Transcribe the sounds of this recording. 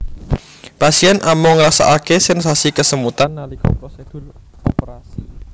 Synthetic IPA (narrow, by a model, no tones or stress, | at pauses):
pasiɛnamɔŋɾasa̰ʔakesɛnsasikəsəmut̪anːalikɔ̰pɾɔsed̪̥ṳr | ɔpəɾasi